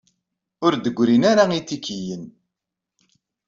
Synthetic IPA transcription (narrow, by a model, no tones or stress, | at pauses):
ʊɾd̪əɡʷːɾinaɾait̪ːikijən